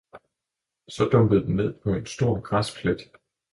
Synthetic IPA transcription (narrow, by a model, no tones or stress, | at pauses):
sɒ̽d̥ɔ̽mb̥əð̩ˠd̥enne̝ð̰ˠpʰɒ̽e̝nsd̥o̝ɐ̰ɡ̥ʁaspʰled̥